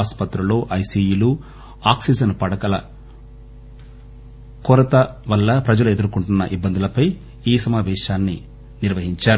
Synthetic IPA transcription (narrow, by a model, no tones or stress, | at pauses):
aːspɐt̪ɾɐlo̞ːʔɐjsiːjilu | aːksid͡ʒɐnpɐɽɐkɐlɐ | kɔɾɐt̪ɐʋɐlːɐpɾɐd͡ʒɐlue̞d̪uɾukuɳʈunːɐ̰ʔibːɐnd̪ulɐpɐj | iːsɐmaːʋɛːʃaːnːi | niɾʋɐɦiɲt͡ʃaːɾu